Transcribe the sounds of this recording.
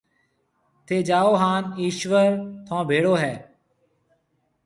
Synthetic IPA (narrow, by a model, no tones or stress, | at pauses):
t̪ʰeːd͡ʒaːoːɦaːniːʃʋəɾt̪ʰõːbʱeːɽoːɦɛː